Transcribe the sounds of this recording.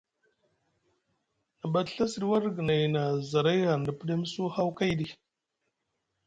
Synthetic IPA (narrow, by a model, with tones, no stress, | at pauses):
na˨ba˨tɬa˦si˨ɾi˦wa˦ɾɡə˨na˨jna˨za˨ɾa˦jɣa˨ɾn˨da˨pə˦ɗe˦m˦su˦ha˦wka˦jdi˦